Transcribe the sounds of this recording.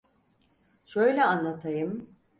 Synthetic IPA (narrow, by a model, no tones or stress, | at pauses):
ʃø̞jlʲɛanlˠat̪ʰajɯm